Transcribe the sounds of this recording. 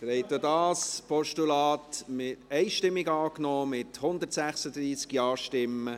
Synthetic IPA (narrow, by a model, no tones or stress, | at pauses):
tɾɛɪt̪ədɑːspɔʃtulɑːtmɪɛɪʃtɪmːɪɡɑːknɔːmɪt̪hʊnd̪əɾtsæχsəd̪ɾiːskjɑːʃtɪmːə